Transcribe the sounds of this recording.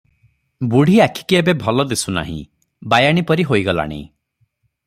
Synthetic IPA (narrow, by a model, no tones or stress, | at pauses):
buɽ̤ʱiakʰi̥kiebebʱɔlɔd̪esuna̰ɦḭ̃ | bajaɽ̃ipɔɾiɦojɡɔla̰ɽ̃ḭ